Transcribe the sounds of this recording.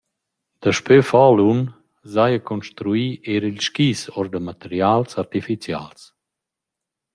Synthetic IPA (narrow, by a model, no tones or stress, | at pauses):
d̪̥əʃpøfɔlun | zajəkɔnʃt̪ɾuiːeɾilʃkiːsɔɾd̪əmat̪eɾjalsaɾt̪ifit͡sja̰ls